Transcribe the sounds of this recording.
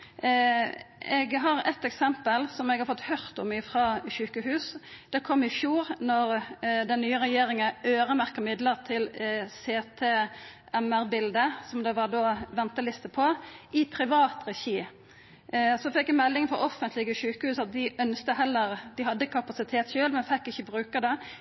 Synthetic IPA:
ɛɡɦɑʁɛt̪ːɛksɛmpəlsɔmɛɡhɑɾfɔt̪ːhœʁt̪ɔmɪfʁɑːʃʉːkəhʉːsd̪̥ɛkʰɔmːɪfjuːɾnɔɾd̪ɛnnːyːəɾɛjeːɾɪŋəøːʁəmæʁkəmɪd̪ləʁt̪ʰɪlseːt̪ʰeː | ɛmæʁbɪld̪əsɔmd̪ɛʋɑɾd̪oːʋɛnt̪əlɪst̪əpʰɔɪpʰɾɪʋɑːt̪ɾɛçiː | sɔfɛkːɛmɛlːɪŋfɔɾɔfənt̪ʰlɪɡəʃʉːkəhʉːsɑt̪̚d̪ɪʔœnst̪əɦɛlːəʁd̪ɪhɑd̪ːəkʰɑpɑsɪt̪ʰeːt̪ʃøːlmɛnfɛkːɪçːəbɾʉːkəd̪ɛ

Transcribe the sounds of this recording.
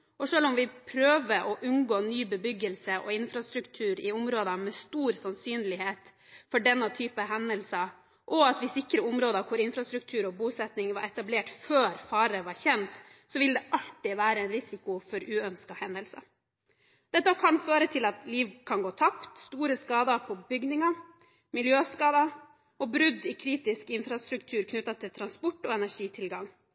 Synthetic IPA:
ʔɔʂøːlɔmʋɪpʰɾøːʋəʔɔʔʉnɡoːnyːbəbʏɡəlsəʔɔ̰ɪnfɾɑst̪ɾʉkt̪ʰʉːɾɪʊmɾoːd̪əmɛst̪uːɾsɑnsyːnlɪheːt̪ | fɔɖɛnːɑt̪ʰyːpəɦɛnəlsə | ʔɔɑt̪ʋɪsɪkːɾəʊmɾoːd̪ɑkʰʊɾɪnfɾɑst̪ɾʉk̚t̪ʰʉːɾɔbuːsɛt̪nɪŋʋɑɾɛt̪ɑbleːʈføːɾfɑːɾəʋɑɾçɛnt̪ | sɔʋɪld̪ɛʔɑlʈɪʋæːɾəɛnɾɪsɪkʊfɔɾʉːœnskɑhɛnd̪əlsə̰ | d̪̥ɛt̪ːɑkʰɑnføːɾət̪ʰɪlɑt̪liːʋkʰɑnɡoːt̪ʰɑpt̪st̪uːɾəskɑːd̪ɑpʰɔbʏɡnɪŋɑ | mɪljøːskɑːd̪ɑ | ɔbɾʉd̪ɪkʰɾiːt̪ɪskɪnfɾɑst̪ɾʉkt̪ʰʉːɾkʰnʉt̪ːɑt̪ʰɪlt̪ʰɾɑnspɔʈːɔɛnæʂiːt̪ʰɪlɡɑŋ

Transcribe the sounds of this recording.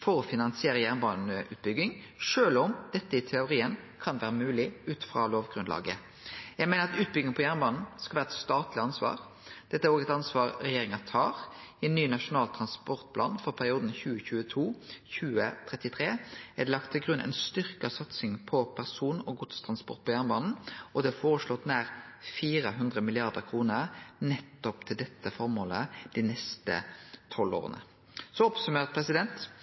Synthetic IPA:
fɔɾɔfɪnɑnsɪeːʁəjæʁnbɑːnəʉ̰ːt̪̚bʏɡɪŋ | ʂøːlɔmd̪̥ɛt̪ːəɪt̪ʰɛʊɾiːənkʰɑnʋæːʁəmʉːlɪʉːt̪fʁɑloːʋɡʁʉnlɑ̰ːɡə | jæɪɡmɛɪnəɾɑt̪ʉːt̪̚bʏɡɪŋəpʰɔjæʁnbɑːnn̩skɑlʋæːɾɛt̪st̪ɑːt̪lɪɑnsʋɑ̰ːʁ | d̪̥ɛt̪ːəæɾoːɡɛt̪ɑnsʋɑːɾɾɛjeːʁɪŋɑt̪ʰɑːʁɛnːyːnɑʂʊnɑːlt̪ʰɾɑnspɔʁt̪̚pʰlɑ̰ːnfɔʁpʰæɾɪuːd̪n̩çʉːəçʉːət̪ʰuːçʉːət̪ʰʁɛt̪ɪt̪ʰɾeːæd̪ɛlɑk̚t̪ʰːɪlɡʁʉnʔɛ̰ɪnst̪ʏʁkɑsɑt̪sɪŋpʰɔpʰæʁsuːnɔɡʊt̪st̪ʰʁɑnspɔ̰ʁt̪̚pʰɔjæʁnəbɑːnn̩ʔɔd̪ɛfoːɾəslɔt̪næːʁ | fiːɾəɦʉnd̪ʁəmɪlɪɑʁd̪əʁkʰʁuːnəɾnɛt̪ːɔpt̪ʰɪld̪ɛt̪ːəfɔɾmoːləd̪̥inɛst̪ə̰t̪ʰɔlo̰ːʁə̰nə̰ | sɔɔpsʉmeːʁt̪̚pʰʁɛsɪd̪ɛnt̪

